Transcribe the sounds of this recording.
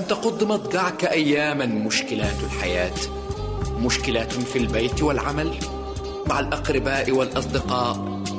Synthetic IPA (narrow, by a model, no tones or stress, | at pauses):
ʔant̪ɑqʊd̪ˤːmɑt̪ˤɡɑʕkaʔajːaːmamʊʃkɪlaːt̪alħajaːt̪ | mʊʃkɪlafilbajt̪walʕamal | maʕalʔɑqɾɪbaːʔɪwalʔɑsˤd̪ɪqɑːʔ